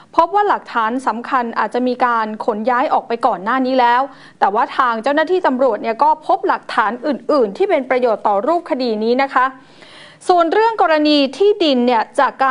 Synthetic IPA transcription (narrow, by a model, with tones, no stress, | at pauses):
pʰo˦˥p̚waː˥˩la˨˩k̚t̪ʰaː˩˦˥nsa˩˦mkʰa˧nʔa̰ː˨˩t̪̚t͡ɕa˨˩ʔmiː˧kaː˧nkʰo˩˦njaː˦˥jʔɔː˨˩k̚pa˧jkɔː˨˩nːaː˥˩niː˦˥lɛː˦˥w | t̪ɛː˨˩waː˥˩t̪ʰaː˧ŋt͡ɕa˥˩wnaː˥t̪ʰiː˥˩t̪a˧mɾu˨˩ət̪̚ni˥˩kɔː˥˩pʰo˦˥p̚la˨˩k̚t̪ʰaː˩˦˥nʔɯː˨˩nʔɯː˨˩nt̪ʰiː˥˩pe˧npɾa˧joː˨˩t̪ːɔː˨˩ɾuː˥˩p̚kʰa˧diː˧niː˦˥na˦˥kʰa˦˥ | su˨˩ənɾɯ˥˩əŋkɔː˧ɾa˧niː˧t̪ʰiː˥˩di˧nːi˥˩ət͡ɕa˨˩kːaː˧